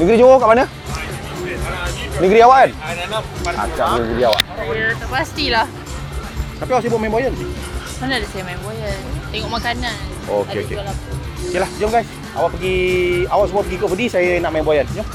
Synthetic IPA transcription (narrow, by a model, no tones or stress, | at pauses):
nəɡɾid͡ʒowakaʔmanə | nəɡɾiawaʔan | a̰t͡ʃaʔdənəɡɾiawa̰ʔt̪əpast̪ilah | t̪apiawaʔsajbaʔmaimboajansi | manadaʔsajəmaimbajant̪ɛŋɔʔmakanan | okeo̰kḛlakuokelahd͡ʒəmɡajs | a̰waʔpəɡiawaʔsəmuapəɡikoʔpədisajanaʔmajimboajand͡ʒom